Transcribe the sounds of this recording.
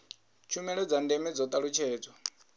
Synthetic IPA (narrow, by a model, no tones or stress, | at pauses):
t͡ʃʰumɛɺɔd͡zandɛmɛd͡zɔt̪ʼaɺut͡ʃʰɛːd͡zɔ